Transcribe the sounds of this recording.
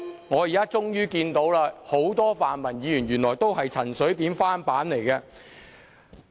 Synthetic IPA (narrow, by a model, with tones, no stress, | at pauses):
ŋɔː˨˧ji˨kaː˥t͡sʊ˥ŋjyː˥kiː˧nt̪o˨˥wlaː˧ho˨˥wt̪ɔː˥faː˨nmɐ˨˩njiː˨˧jy˨˩nɥyː˨˩nlɔː˨˩jt̪o˥wɦɐ˨jt͡sʰɐ˨˩nsɵ˨˥ɥpiː˨˥nfaː˥npaː˨˥nle˨˩jkɛ˧